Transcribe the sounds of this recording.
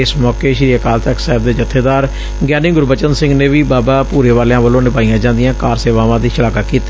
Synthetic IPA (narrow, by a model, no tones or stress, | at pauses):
ɪsmɔːkeːʃɾiːəkaːlt̪əksaːɪb̚d̪eːd͡ʒət̪ʰːeːd̪aːɾ | ɡɛːnɪ̃ŋɡʊɾbət͡ʃənsɪ̃ŋɡneːʋiːbaːbaːpuːɾeːʋaːleãːʋəlõːnɪpaːijãːd͡ʒãːnd̪ɪjãːkaːɾseːʋaːʋãːd̪iːʃəlaːkakiːt̪e